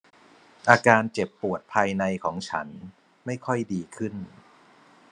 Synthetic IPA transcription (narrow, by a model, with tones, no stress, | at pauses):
ʔaː˧kaː˧nt͡ɕe˨˩pːu˨˩ət̪̚pʰaː˧jna˧jkʰɔː˩˦ŋt͡ɕʰa̰˦˥n | ma˥˩jkʰɔ˥˩jdiː˧kʰɯ˥˩n